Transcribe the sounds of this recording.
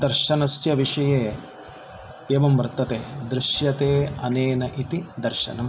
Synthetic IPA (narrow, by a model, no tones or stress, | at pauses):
d̪ɐɾʃɐnɐsjɐʋiʂɐjeː | eːʋɐmʋɐɾɐt̪ːɐt̪eːd̪ɾɪʃjɐt̪eːɐneːnɐʔit̪id̪ɐɾʃɐ̰nɐm